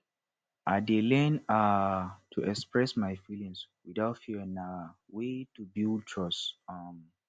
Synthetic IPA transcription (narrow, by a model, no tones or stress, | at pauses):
ʔadelɛ̃natʰuʔɛkspɹɛsmajfilĩŋswidaʊtfiɹĩna | wetubilt͡ʃʰɔsam